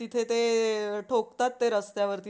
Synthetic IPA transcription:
it̪ʰet̪eʈʰokt̪at̪ːeɾəst̪jaʋəɾt̪i

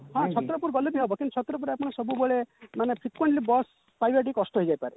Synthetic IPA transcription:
ɦɔ̃t͡ʃʰɔt̪ɾɔpuɾɡɔlebiɦobɔkint̪ut͡ʃʰɔt̪ɾɔp̬uɾapɔɽ̃ɔsɔbubɔɭemanepʰɾikweɳʈlibɔs | pɾajbeʈ̬ikːɔsʈɔɦɔjd͡ʒajpaɾe

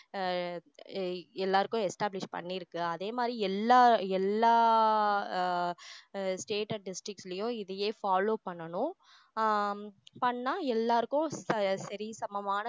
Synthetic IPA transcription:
ɛlːaːɾɯkːʊ̃ɛsʈaːblɪʂpɐ̰ɳːiɾɯkːɯɐðeːmaːd̪ɾiɛlːaːɛlːaː | sʈeːʈɐɖɪsʈɾɪkʈslɐjʊ̃ɪðɐjeːfaːloːpɐɳːɐnʊ̃ | pɐɳːaːɛlːaːɾɯkːʊ̃sɐɾɪɐsɐmɐmaːnɐ

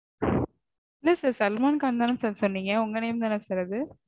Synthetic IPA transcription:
ɪlːɐsɐɾsɐlmaːnkaːnd̪aːnɐsɐsɔnːiːŋɡɐʊŋɡɐnɐjʊmd̪aːnɐsɛɾɐðɯ

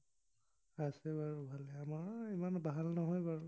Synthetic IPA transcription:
asɛbaɹbʱalɛamaɹimanbaɦalnɔɦɔjbaɹ

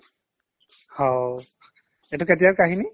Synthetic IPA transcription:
hɔ | ɛtʊket̬ijakaɦini

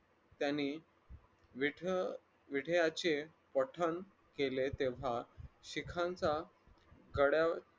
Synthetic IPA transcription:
t̪janːi | ʋ | ʋiɽ̤jat͡ɕe | pəʈʰən | kelet̪eʋ̤aɕikʰãnt͡sa | ɡəɽja

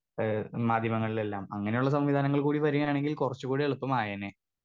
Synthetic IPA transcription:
maːd̪ʱjɐmɐŋːɐɭile̞lːaːmɐŋːɐne̞juɭːɐs̬ɐmʋid̪ʱaːnɐŋːɐɭkuːɽiʋɐɾuŋːɐjaːɳe̞ŋɡilkurɐt͡ɕːukuːɽieɭupːɐmaːjaːneː

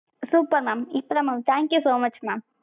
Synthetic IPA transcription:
suːpɐɾmaːmipɾɐmaːmt̪ʰaːŋkjusoːmɐt͡ʃmaːm

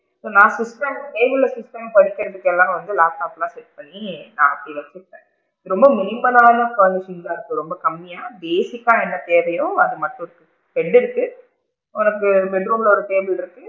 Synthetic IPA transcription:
soːnãːsɪsʈɐmʈeːbɯlːɐsɪsʈɐmpɐɽɪkːɐɾɐðɯkːɛlːãːɐʋɐnd̪ɯlaːʈːaːplãːsɛʈ̚pɐɳːina̰ːɐpːiʋɐt͡ʃːɪɾɯʈːẽː | ɯɾɔmbɐmɪnɪmɐnaːnɐkɐːnɪʂɪnd͡ʒaːɪɾɯkːɯɾɔmbɐkɐmːɪjaːbeːsɪkːaːɛnːɐt̪eːʋɐjʊ̃ɐðɯmɐʈːʊ̃ɾɯkːɯ | pɛɳɖɪɾɯkːɯ | ɔnɐkːɯbɛɖɾoːmɪlɔɾɐt̪eːbɯlɪɾɯkːɯ

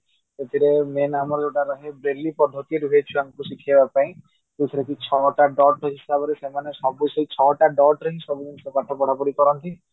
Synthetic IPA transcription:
et̪ʰiɾemenamɔɾeʈaɾɔɦebɾelːipɔd̪ʱɔt̪ieɾuɦoet͡ʃʰuamkusikʰiebapaĩ | k̪ut̪ʰiɾekit͡ʃʰɔʈaɖɔʈɔɦisabɔɾesemanesɔbuseit͡ʃʰɔʈaɖɔʈɾɔɦĩsɔbud͡ʒ̪ɔnisɔkaʈʰɔpɔɽ̤apɔɾikɔɾɔnt̪i

